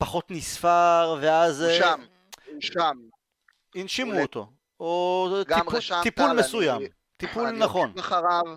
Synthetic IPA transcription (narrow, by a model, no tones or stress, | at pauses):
paχo̞t̪nisfaʁveazʃam | am | inʃimuot̪o̰ | otiipulmesujam | t̪ipulnaχo̞nχaʁav